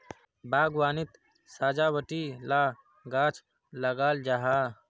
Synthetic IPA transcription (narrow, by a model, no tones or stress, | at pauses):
baːɡwaːnɪt̪ | saːd͡ʒabəʈila | ɡaːt͡ʃʰ | ləɡaːld͡ʒaɦa